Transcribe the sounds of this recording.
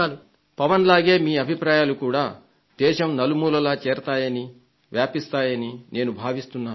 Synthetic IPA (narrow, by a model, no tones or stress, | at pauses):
lu | pɐʋɐnlaːɡe̞ːmiːɐbʱipɾaːjaːlukuːɽaː | d̪̥ɛːʃɐmnɐlumuːlɐlaːt͡ʃɛːɾɐt̪aːjɐni | ʋjaːpist̪aːjɐnine̞ːnubʱaːʋist̪unːaː